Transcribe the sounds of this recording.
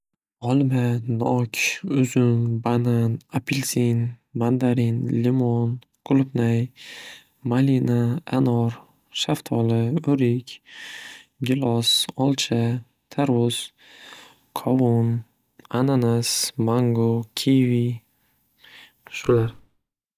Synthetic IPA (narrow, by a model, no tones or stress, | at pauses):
ɒlˠmanɒkʲʰʊzʊnbananapʰɪlsinmand̪aɾinlɪmɔn | ɡ̥ʊlˠʊpnaj | malinaanɒɾ | ʃaft̪ʰɒlɪoɾɪkʲ | ɡʲɪlɒsɒlˠt͡ʃʰa | t̪ʰaɾʊz̥ | kʰɒvʊn | ananasmaŋɡokʲʰivi | ʃʊlaɾ